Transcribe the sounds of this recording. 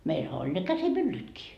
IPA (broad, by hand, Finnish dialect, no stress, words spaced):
meilhæ olʲ ne kæsimylːytkiː